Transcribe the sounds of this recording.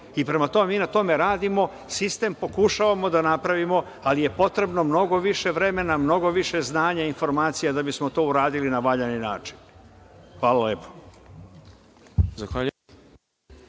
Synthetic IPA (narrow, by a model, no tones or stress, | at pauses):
ipɾe̞mat̪o̞memiːnat̪o̞me̞ɾaːd̪imo̞ | sist̪e̞mpo̞kuʃaʋamo̞d̪anapɾaʋimo̞ | alije̞po̞t̪ɾe̞bno̞mno̞ɡo̞ʋiʃe̞ʋɾe̞me̞namno̞ɡo̞ʋiʃe̞znaːɲainfo̞ɾmaːt̪sijad̪abismo̞t̪o̞ːuɾaːd̪ilinaʋaʎaninaːt͡ʃi̥n | xʋaːlalepo̥ | zaxʋaʎu